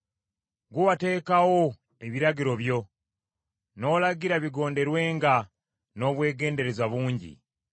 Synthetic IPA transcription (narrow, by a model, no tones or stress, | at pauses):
ɡuwate̞ːkawo | e̞βiɾaɟiɾo̞βjo̞ | no̞ːlaɡiɾaβiɡo̞ːnde̞ɾwe̞ːŋɡa | no̞βwe̞ːɡe̞ːnde̞ɾe̞zaβuːɲɟḭ